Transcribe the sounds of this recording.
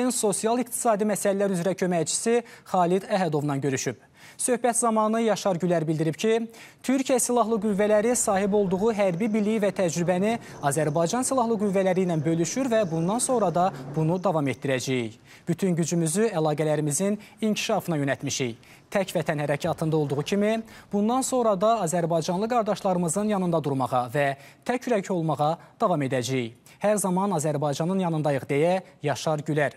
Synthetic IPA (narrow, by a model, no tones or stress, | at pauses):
inso̞sijɑlˠikt̪ʰi̥sɑːd̪imæsælælæɾyzɾæcʰø̞mæjt͡ʃʰi̥siχɑːlid̪æɦæd̪o̞vnɑnɟø̞ɾyʃyb̥̚ | sø̞hbæt̪zɑmɑnɯjɑʃɑɾɟylæɾbilʲd̪iɾipcʰit̪ʰyɾcʰijæsilˠɑɦlˠɯɡuvːælæɾisɑːɦibo̞lˠd̪uʁuɦæɾbibilijivæt̪ʰæd͡ʒɾybæni | ɑzæɾbɑjd͡ʒɑnsilˠɑhlˠɯɡuvːælæɾijnænbø̞lyʃyɾvæbund̪ɑnso̞ŋɾɑd̪ɑbunud̪ɑvɑme̞t̪̚d̪iɾæd͡ʒæjij | b̥yt̪ʰynɟyd͡ʒymyzyælˠɑːɡælæɾimiziniɲcʰi̥ʃɑfɯnɑjø̞nælt̪miʃij | t̪ʰæcvæt̪ʰænhæɾæcʰɑt̪ʰɯnd̪ɑo̞lˠd̪uʁucʰimib̥und̪ɑnso̞ŋɾɑd̪ɑːzæɾbɑjd͡ʒɑnlˠɯɡɑɾd̪ɑʃlˠɑɾɯmɯzɯnjɑnɯnd̪ɑd̪uɾmɑʁɑvæt̪ʰæcʰyɾæcʰo̞lˠmɑʁɑd̪̥ɑvɑme̞d̪æd͡ʒæjij | hæɾzɑmɑnɑzæɾbɑjd͡ʒɑnɯnjɑnɯnd̪ɑjɯʁd̪ejæjɑʃɑɾɟylæɾ